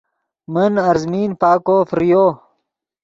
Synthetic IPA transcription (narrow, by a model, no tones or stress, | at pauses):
mənɐɾzmiːnpaːkoːfɾijoː